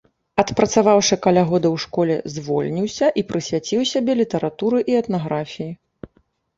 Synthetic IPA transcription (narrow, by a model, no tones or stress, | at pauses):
ɐt̪pɾɐt̪savawʂɨkalʲaɣɔd̪ɐwʂkɔlʲɛ̰zʲvɔlʲnʲiwsʲɐʔipɾɨsʲvʲat͡sʲiwsʲabʲɛlʲit̪ɐɾʔat̪uɾɨʔiɛt̪naɣɾafʲiji